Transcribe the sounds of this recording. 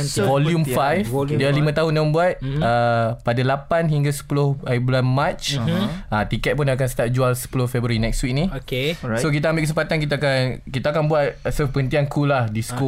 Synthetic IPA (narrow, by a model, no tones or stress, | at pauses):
vɔljumffajfdialimə̃t̪aɦʊndamə̃mbuat̪̚əpadalapanɦiŋɡasə̥pulʊhablanmãt͡ʃ | ət̪ikɛt̪̚punak̬ansət̪ap̚d͡ʒualsə̥pulʊhfɛbɾaɾinɛkst̪wik̚nĩokesok̬it̪ambɪlkəsəmpat̪ankit̪̬aːkankit̪akanbuat̪̚səpəənt̪iankʰulahdisə̥ko